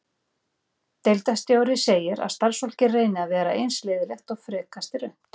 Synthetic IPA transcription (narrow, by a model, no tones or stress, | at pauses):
t̪ejlt̪ast̪jaːwɾɪseːjɪɾa̰ðst̪aɾsvɔl̥cɪreːjnɪaðvɛːɾa̰ʔejnsleːðɪlɛxt̪ɔɣfɾɛːkast̪ɪɾœn̥t̪